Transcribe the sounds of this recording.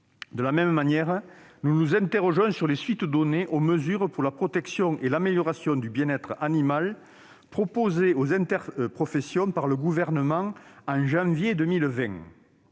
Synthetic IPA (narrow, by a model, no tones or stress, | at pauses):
d̪əlamɛmmanjɛʁnunuzɛ̃nt̪eʁɔʒɔ̃syʁlesɥit̪əd̪ɔneʔoməzyʁəpuʁlapχɔt̪ɛksjɔ̃ŋʔelameljɔʁasjɔ̃d̪ybjɛ̃nɛt̪χəʔanimal | pχɔpozeozɛ̃nt̪ɛʁpχɔfesjɔ̃paʁləɡuvɛʁnəmɑ̃ŋɑ̃ʒɑ̃vjed̪əmilvɛ̃